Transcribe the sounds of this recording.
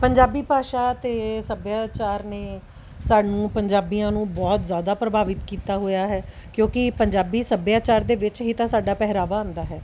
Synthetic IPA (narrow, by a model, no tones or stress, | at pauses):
pəɲd͡ʒaːbiːpaːʃaːt̪eːsəbjaːt͡ʃaːɾneː | saːɖnũːpəɲd͡ʒaːbiːãːnũːbɔːt̪zjaːd̪aːpɾəbʱaːʋɪt̪kiːt̪aːɦoːjaːɦɛː | kjõːkɪpəɲd͡ʒaːbiːsəbjaːt͡ʃaːɾd̪eːʋɪt͡ʃɦiːt̪ãːsaːɖaːpɛɦɾaːʋaːãːnd̪aːɦɛː